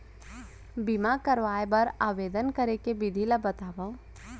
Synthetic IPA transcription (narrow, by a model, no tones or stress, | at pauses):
bimakəɾʋaːjbəɾaːʋeːd̪ənkəɾekebɪd̪ʱiləbət̪aːʋã